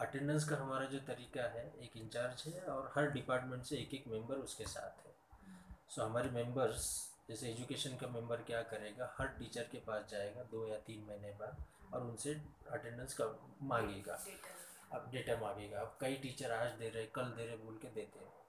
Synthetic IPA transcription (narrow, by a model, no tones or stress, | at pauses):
ɐʈɛ̃ɳɖə̃ns̬kaɦɐmaːɾad͡ʒoːt̪ɐɾiːkaɦɛeːkɪ̃ɲt͡ʃaːɾd͡ʒɦɛɔːɾhɐɾɖɪpaːɾʈmẽɳʈseeːkeːkmɛ̃mbəɾʊskesa̰ːt̪ʰɦɛː | soːɦɐmaːɾemɛ̃mbəɾzd͡ʒɛːseeːd͡ʒukeːʃənkamɛ̃mbəɾkjaːkɐɾeːɡahɐɾʈiːt͡ʃəɾkepaːsd͡ʒaːeːɡad̪oːjat̪iːnmɐɦinepɐɾɔːɾʊnseɐʈẽɳɖə̃nska | mãːŋɡeːɡa̰ː | pɖeːʈamãːŋɡeːɡap̚kɐiʈiːt͡ʃəɾaːd͡ʒd̪eːɾɐɦɛkɐld̪eːɾeɦẽbʱoːlked̪eːt̪eɦ